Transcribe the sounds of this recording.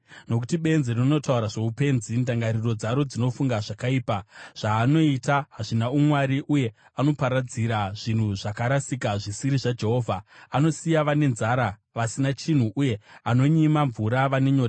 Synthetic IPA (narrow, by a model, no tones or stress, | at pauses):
no̞kutiɓe̞nzerino̞tauɾaʐe̞upe̞ːnzindaŋɡaɾiro̞d͡zaɾo̞d͡zino̞fuŋɡaʐakaiːpaʐ̥aːno̞itaɦaʐinaumwaɾiʔuje̞ | ano̞paɾad͡ziɾaʐ̥in̤uʐakaɾasikaʐisiɾiʐad͡ʒe̞ɦo̞ːvʱaano̞sijaʋane̞nzaɾa | ʋasinat͡ʃin̤uʔuje̞ano̞ɲimaɱvuɾaʋane̞ɲo̞ra